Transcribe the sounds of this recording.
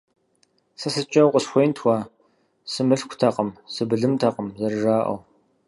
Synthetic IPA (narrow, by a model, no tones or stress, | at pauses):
sɐsɨt͡ʃʼɐwqʼəsxʷejntʰwʷa | sɨmɨɬkʷʰtʰɐqʼəmsɨbɨɮɨmtʰɐqʼəmzɐrʐaːʔɐ̰w